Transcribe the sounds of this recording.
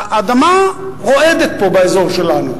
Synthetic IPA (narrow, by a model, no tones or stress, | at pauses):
ʔad̪ama | ʁo̞ed̪et̪̚po̞baezo̞ʁʃelanṵ